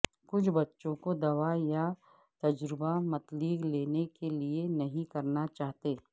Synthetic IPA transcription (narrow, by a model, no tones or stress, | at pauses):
kʊt͡ʃʰbɐtːʃõkod̪ɐʋaja | t̪ɐd͡ʒɾɪbamɐt̪liːɡleːnekelienɐɦĩkɐɾnat͡ʃaːɦt̪eː